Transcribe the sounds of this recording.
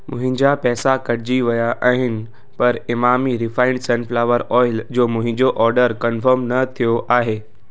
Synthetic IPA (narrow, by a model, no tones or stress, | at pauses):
mʊ̃ɦɪ̃ɲd͡ʑapɛːsakɐɽd͡ʑiʋɐjaʔaːɦɪnɪ̆ | pɐɾɪmaːmiɾɪfaːɪ̃ɳɖsə̃nfʰlaːʋəɾɔːɪld͡ʑoːmʊ̃ɦɪ̃ɲd͡ʑoʔɔːɾɖəɾkɐnfəɾmnɐt̪ʰijoʔaːɦeː